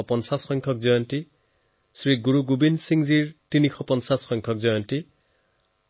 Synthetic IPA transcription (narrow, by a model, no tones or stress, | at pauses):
ɔpɔnsasxɔjŋkʰɔk̚zɔjɔnti | sɹiɡuɹuɡubinsiŋziɹtinixʰɔpɔnsasxɔjŋkʰɔk̚zɔjɔnti